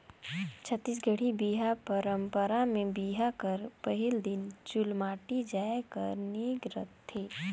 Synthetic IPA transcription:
t͡ʃʰət̪ːiːs̬ɡʱəɽ̤ibiːɦapəɾə̃mpəɾamẽbiːɦakəɾpəɦɪld̪ɪnt͡ʃʊlmaːʈid͡ʒaːekə̰ɾniɡɾə̰t̪ʰːeː

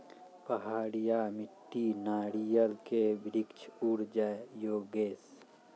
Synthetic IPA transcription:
pəɦaːɽijaːmɪʈːinaːɽijəlkebɾikt͡ʃʰuɽd͡ʒajoːɡeːs

